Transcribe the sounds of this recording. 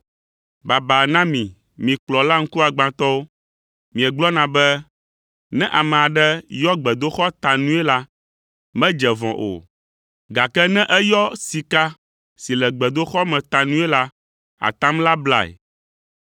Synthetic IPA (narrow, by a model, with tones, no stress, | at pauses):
ba˨ba˨nã˦mĩ˨ | mĩ˨k͡plɔ˨la˦ŋ̩˦ku˦a˨ɡ͡bã˨t̪ɔ˦o˦ | mĩ˨ɛ˨ɡ͡blɔ˦nã˨bɛ˦ | nɛ̃˦ʔa˨mɛ̃˨a˨ɖɛ˦jɔ˦ɡ͡bɛ˨d̪o˦xɔ˦t̪a˨nũ˦ɛ˦la˦ | mɛ̃˦d͡ʒɛ˨vɔ̰̃˨ʔo̰˨ | ɡa˨kɛ˦nɛ̃˦ʔɛ˦jɔ˦si˨ka˦ | si˨lɛ˨ɡ͡bɛ˨d̪o˦xɔ˦mɛ̃˨t̪a˨nũ˦ɛ˦la˦ | a̰˨t̪ã˦mla˦bla˦˨ɛ̰˨